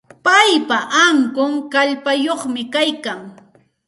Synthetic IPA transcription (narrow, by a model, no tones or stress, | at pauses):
pajpaʔaŋkʊŋkaʎpajoχmɪkajkaŋ